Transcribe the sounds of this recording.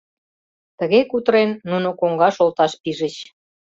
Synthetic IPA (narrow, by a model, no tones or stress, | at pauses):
t̪əɣekut̪əɾenːunokoŋɡɑʃolt̪ɑʃpiʒət͡ɕ